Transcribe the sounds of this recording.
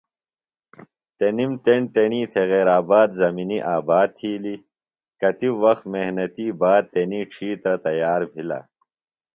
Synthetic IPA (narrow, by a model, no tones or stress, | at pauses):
t̪enimt̪eɳt̪eɳiːt̪ʰeɣeːɾaːbaːd̪zɐminiʔaːbaːd̪̚t̪ʰiːli | kɐt̪iwɐxt̪mehnɐt̪iːbaːd̪̚t̪eniːʈ͡ʂʰiːt̪ɾɐt̪ɐjaːɾbʱila̰ː